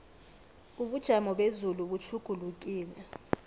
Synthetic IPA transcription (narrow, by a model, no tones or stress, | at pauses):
uɓud̥ʒ̥ʱamɔɓezuluɓut͡ʃʰuɡ̥ʱuluk̬ʼiːlɛ